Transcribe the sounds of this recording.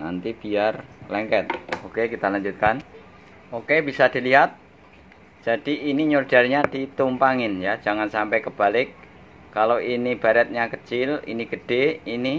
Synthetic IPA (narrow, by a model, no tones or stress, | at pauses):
na̰nt̪ib̥iarlɛŋkɛt̪̚okekit̪alaɲd͡ʒut̪̚kan | okebisad̪̥iliɦat̪̚ | d͡ʒ̥ad̥iʔːniɲord̥arɲad̥it̪umpaŋɪnjad͡ʒaŋansampɛjkəb̥alɪkː | aloʔinib̥aɾɛt̪̚ɲakət͡ʃɪlḭniɡ̥əɖ̥eini